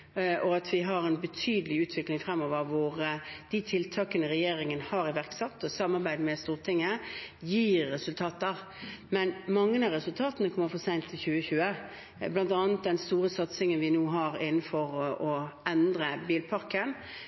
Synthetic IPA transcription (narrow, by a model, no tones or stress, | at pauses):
ʔɔɑt̪ʰʋɪɦɑɾɛnbət̪ʰyːd̪əlɪʉːt̪ʰʋɪklɪŋfɾɛmːɔʋəɾʋʊʁd̪̥ɪt̪ʰɪlt̪ʰɑːkənəʁɛjeːɾɪŋənhɑɾɪʋæʁksɛt̪ːɔsɑmɑʁbæɪd̪mɛst̪uːʁt̪ʰɪŋːəjiːɾːɛsʉlt̪ʰɑːt̪̚əʁ | mɛnmɑŋːənɑɾɛsʉlt̪ʰɑːt̪ənəkʰɔməɾfoːsæɪt̪ʰːɪlçʉːəçʉːə | blɑnt̪ɑːnət̪̚d̪ɛnst̪uːɾəsɑt̪sɪŋənʋɪnuːɦɑɾɪnːn̩fɔɾɔɛnd̪ɾəbiːlpʰɑɾkən